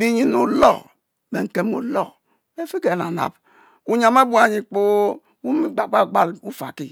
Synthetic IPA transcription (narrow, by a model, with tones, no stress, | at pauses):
bi˦ɲi˦nu˨lɔ̰˦˨ | be˨ŋ̩˨ke˨mo̰˨lɔ˦˨ | be˦fi˦ke˨na̰˨na̰˨b | u˨ɲa˨me˦bu˦a˨ɲi˨k͡pu˦ | wu˦mi˦ɡ͡ba˨ɡ͡ba˦˨ɡ͡ba˦lu˦fa̰˨ki˨